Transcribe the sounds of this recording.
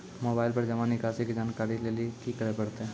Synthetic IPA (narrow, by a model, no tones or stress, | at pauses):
moːbaːɪlpɐɾd͡ʒɐʋãnɪkaːsikd͡ʒaːnkaːɾileliekikəɾepɐɽt̪eɦɛ̃